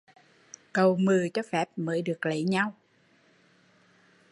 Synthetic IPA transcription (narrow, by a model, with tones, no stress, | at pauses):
kə˨˩wmɨ˨˩ət͡ɕɔ˧fɛ˦˥p̚məː˨˦jɗɨ˨˩ək̚lə˧˦jɲa˧w